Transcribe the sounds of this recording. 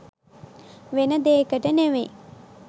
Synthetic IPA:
ʋenəd̪eːkəʈəneʋej

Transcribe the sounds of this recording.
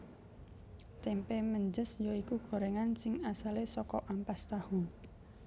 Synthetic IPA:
t̪ɛmpeməɲd͡ʒəsjoikuɡ̥o̤ɾeŋansɪŋasalesɔkɔʔampast̪ahu

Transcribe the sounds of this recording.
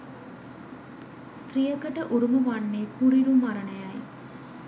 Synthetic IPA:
st̪rijəkəʈəʔuɾuməʋanːeːkuɾiɾumaɾənəjaj

